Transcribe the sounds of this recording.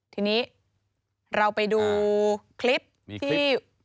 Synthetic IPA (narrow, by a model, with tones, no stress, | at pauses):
t̪ʰiː˧niː˦˥ | ɾa˧wpa˧jduː˧kʰli˦˥p̚ | t̪ʰiː˥˩